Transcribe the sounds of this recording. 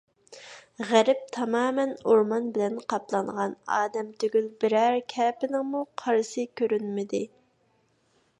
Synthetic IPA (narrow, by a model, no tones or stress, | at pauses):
ʁæɾɪp̚t̪ʰɑmɑːmɛnoɾmɑnbɪlɛnqʰɑplˠɑɴʁɑnɑːd̪ɛmt̪ʰøɡʲylbɪɾæɾkʲʰɛːpɪnɪŋmuqʰɑɾsɨkʲʰøɾynmɪd̪ɪ